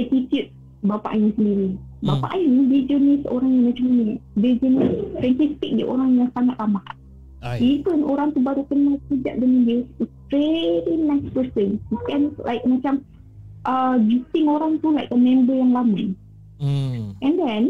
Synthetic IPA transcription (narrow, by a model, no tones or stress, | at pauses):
ɛtit̪jut̪̚ | bapa̰ʔjəsəndiɾibapa̰ʔjənibid͡ʒənisəo̰ɾaŋjaŋmat͡ʃamanədid͡ʒənəfɾɛ̃nt̪ist̪ɪk̚d͡ʒṵʔoɾaŋjaŋsaŋat̪̚lamah | ipənoɾaŋt̪ubaɾukənasəd͡ʒa̰ʔ̚dəŋãnduistɾedinaspəsə̃nikɛ̃nlʔa̰jk̚mat͡ʃam | ʔəd͡ʒutɪŋoɾaŋt̪ulajk̚əmɛ̃mbəjaŋlama | ʔɛ̃nd̪ɛn